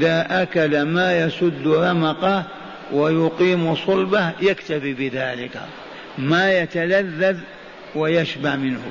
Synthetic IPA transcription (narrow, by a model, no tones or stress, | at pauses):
ʔɪðaʔakalamaːjɑsˤʊd̪ːɾˤɑmɑqɑ | wajʊqiːmsˤʊlbahjakt̪afibɪðaːlɪka̰ | majat̪alaðːað | wajaʃbaʕmɪnhʊ̰